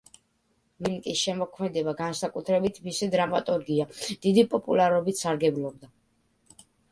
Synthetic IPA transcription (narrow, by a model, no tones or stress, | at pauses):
milkʼisʃɛmɔkʰmɛd̪ɛbaɡansakʼut̪ʰɾɛbit̪ʰmisid̪ɾamat̪ʼuɾɡiad̪̥id̪ipʼɔpʼulˠaɾɔbit̪ʰsaɾɡɛblˠɔb̚d̪a